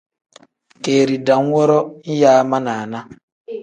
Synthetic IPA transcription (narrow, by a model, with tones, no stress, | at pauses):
ke˨ɾi˨da˨ŋ̩˦wʷɔ˦ɾɔ˦i˦ja˦a˦ma˦na˨a˨na˦